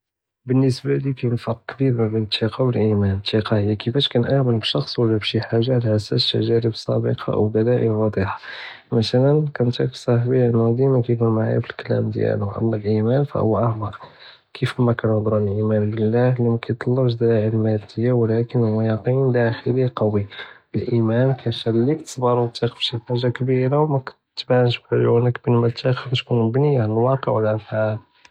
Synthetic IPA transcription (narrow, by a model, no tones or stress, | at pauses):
bənːəsbalikæjnfɑɾq̚kːbiɾmæbənt̪ʰiqɑbəlʔimænt̪iqɑhəjːækəfæʃkænʔæʕməlbəʃɑxsˤwəlːæbʃiħaʒːaʕlaʕasæ̰sʃæ̰ʒæɾəbsˤːɑ̰bə̰qʰɑ̰ʔwd̪ælæʔə̰wɑd̪ˤiħɑ̥ | mæt̪ælənkænt̪æksˤɑħbiənæd̪imækæjkunmaʕa̰jfəlkælæ̰md̪jæ̰lʊʔɑ̰lˤːɑlʔimænfæ̰hʊwːæʔɑʕmɑɾ | kʰəfmækænəd̪ˤɾunəlʔimænbəlːæhlimækæjt̪ˤːɑlːəbʃd̪æʕəlmæd̪əjːawlækənhʊwːæjɑqinlæxəɾiqɑwi | əlʔimænkʰæʃælːikt̪ə̥sˤbɑɾˤut̪ˤːiqfʃiħaʒakbiɾawmækʊ̥ | t̪ːbanəʃblunəkbənmæt̪ːæxbt̪kunbnəjːaʕanəlwɑqəʕwəlʔæfħal